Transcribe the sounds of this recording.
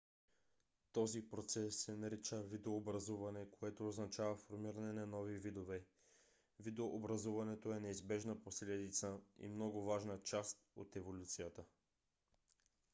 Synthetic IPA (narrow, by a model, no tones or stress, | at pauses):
t̪ɔzipɾot̪sɛsːɛnɐɾit͡ʃəvid̪oːbɾɐzuvɐnɛkoɛt̪oːznɐt͡ʃavɐfoɾmiɾɐnɛnɐnɔvivid̪ovɛ | vid̪oʔobɾɐzuvɐnɛt̪oɛnɛizbɛʒnəposlɛd̪it̪səḭmnɔɡovaʒnət͡ʃast̪o̰t̪ɛvolʲut̪sijət̪ə